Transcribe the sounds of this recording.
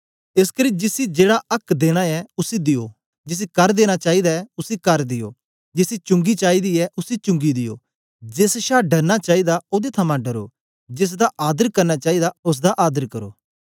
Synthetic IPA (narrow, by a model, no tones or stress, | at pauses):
ɪskəɾiːd͡ʒɪsid͡ʒeːɽaɐkd̪eːɽ̃aɛʊsid̪ɪjo̰ː | d͡ʒɪs̬ikɐɾd̪eːɽ̃at͡ʃaːid̪aɛʊsikɐɾd̪ɪjo̰ː | d͡ʒɪsit͡ʃʊ̃ŋɡit͡ʃaːid̪iɛʔʊsit͡ʃʊ̃ŋɡid̪ɪjo̰ː | d͡ʒesʃaːɖɐɾnat͡ʃaːid̪aoːd̪et̪ʰɐmãɖɐɾo̰ː | d͡ʒɪs̬d̪aʔaːd̪əɾkɐɾnat͡ʃaːid̪aʊs̬d̪aʔaːd̪əɾkɐɾo̰ː